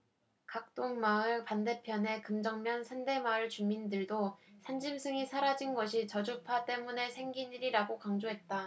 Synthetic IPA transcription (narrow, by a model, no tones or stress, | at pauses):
kak̚t͈oŋmaɯɭpande̞pʰjʌne̞kɯmd͡ʑʌŋmjʌnsʰande̞maɯɭt͡ɕumindɯɭdosʰand͡ʑimsʰɯŋisʰaɾad͡ʑinɡʌɕʰit͡ɕʌd͡ʑupʰat͈e̞mune̞sʰe̞ŋɡiɲiɾiɾaɡokaŋd͡ʑoɦe̞t̚t͈a